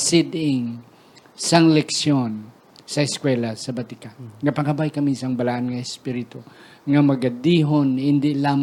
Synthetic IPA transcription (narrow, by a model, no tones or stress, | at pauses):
sɪd̪ɪŋ | sɐŋlɛksjon | sɐɪskwɛlɐsɐbɐt̪ɪkaŋɐpɐkɐbajkɐmisɐŋbɐlaʔɐnŋɐɛspiɾɪt̪o | ŋɐmɐɡɐd̪iːɦonhɪnd̪ɪlaːm